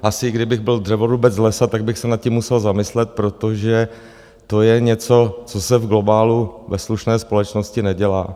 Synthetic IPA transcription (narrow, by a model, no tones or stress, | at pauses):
ʔasɪɡdɪbɪɣbɪldrɛvoɾubɛt͡slɛsat̪aɡ̚bɪxsɛnat̪̚cɪmːusɛlzamɪslɛt̪̚pɾo̞t̪o̞ʒɛ | t̪o̞jɛɲɛt͡so̞t͡so̞sɛvɡlo̞baːluvɛsluʃnɛːspo̞lɛt͡ʃno̞scɪnɛɟɛla̰ː